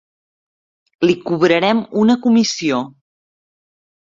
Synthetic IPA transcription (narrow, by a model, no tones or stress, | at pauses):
likuβɾəɾɛmunəkumisio